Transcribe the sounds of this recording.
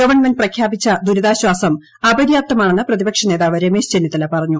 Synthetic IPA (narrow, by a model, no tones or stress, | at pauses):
ɡɐʋɐrɳmendprɐkʰjaːbit͡ɕːɐd̪uɾɐðaːɕwaːsɐm | ɐbɐdjaːp̚t̪ːɐmaːɳeɳɨprɐðibɐkʂɐneːðaːʋɐɾeme̞ːɕd͡ʑenːjɐt̪ːɐlɐpɐrɐɲːu